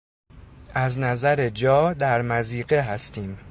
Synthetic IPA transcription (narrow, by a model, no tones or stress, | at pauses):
ʔæznæzæɾe̞d͡ʒɒːd̪æɾmæziːɢeɦæst̪ʰiːm